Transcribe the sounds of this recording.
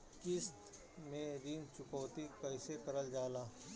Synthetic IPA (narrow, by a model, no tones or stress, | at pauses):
kɪst̪ | mẽɾiːnt͡ʃʊkɔːt̪ipəɪsekɐɾəld͡ʒaːlaː